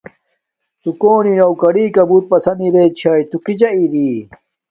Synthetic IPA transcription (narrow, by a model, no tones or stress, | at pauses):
t̪ukoːninɐwkɐɽiːkɐbuɾ̚pɐsɐnd̪iɾeːt͡ɕʰaːjt̪ukid͡ʑɐiɾiː